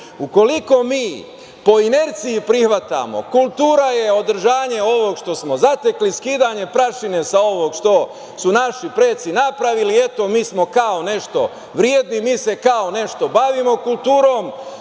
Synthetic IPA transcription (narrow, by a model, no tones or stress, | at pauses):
uko̞liko̞miː | po̞ineɾt̪sijipɾixʋat̪a̰mo̰kulˠt̪uːɾaje̞o̞d̪r̩ʒaːɲe̞o̞ʋo̞ɡʃt̪o̞smozat̪e̞kliskiːd̪aɲe̞pɾaʃine̞sao̞ʋo̞ɡʃt̪o̞ | sunaʃipɾeːt̪sinapɾaʋilie̞t̪o̞miːsmo̞kao̞ne̞ʃt̪o̞ | ʋɾjeːd̪nimiːse̞kao̞ne̞ʃt̪o̞baʋimo̞kulˠt̪uːɾo̞ːm